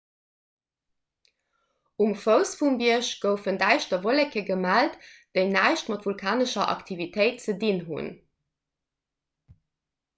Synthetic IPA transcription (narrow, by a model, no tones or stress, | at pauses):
umfəʊsfumbiəʃɡ̥əʊfəndæɪʃtɐvolekʰəɡəmæltd̥eɪnæɪʃtmɑtvulkʰaːnəʃɐʔɑ̰ktʰivitʰəɪt̚t͡sədinɦṵn